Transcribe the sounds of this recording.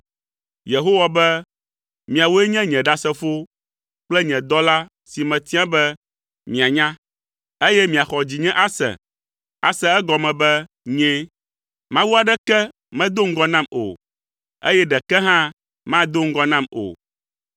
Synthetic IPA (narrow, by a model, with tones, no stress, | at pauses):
je˨ɦo˦wa˨bɛ˦ | mĩ˨a˨wo˦ɛ˦ɲɛ̃˦ɲɛ̃˨ɖa˦sɛ˦fo˦ | k͡plɛ˦ɲɛ̃˨d̪ɔ˦la˦ | si˨mɛ̃˨t̪i˦ã˦bɛ˦ | mĩ˨a˨ɲã˦ | e˦jɛ˦mĩ˨a˨xɔ˨d͡ʑi˨ɲɛ̃˦ʔa˦sɛ̰̃˨ | a̰˨sɛ˨ɛ˦ɡɔ˨mɛ̃˨bɛ˦ | ɲɛ̃˦ | mã˦wu˦a˨ɖɛ˦kɛ˦ | mɛ̃˦d̪o˦ŋ̩˦ɡɔ˦nã˦mo̰˨ | ḛ˦jɛ˦ɖɛ˨kɛ˦ɦã˦ | mã˦d̪o˦ŋ̩˦ɡɔ˦nã˦mo̰˨